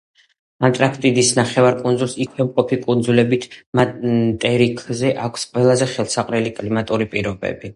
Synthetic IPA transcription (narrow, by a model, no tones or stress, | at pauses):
ant̪ʼɾakʰt̪ʼid̪isnaχɛvaɾkʼunzulˠsikʰwɛmqʼɔpʰikʼund̪zulɛbit̪ʰmat̪ʼɛɾikʰzɛʔakʷʰsqʼwɛlˠazɛχɛlˠsaqʼɾɛlikʼlimat̪ʼuɾipʼiɾɔbɛ̰bi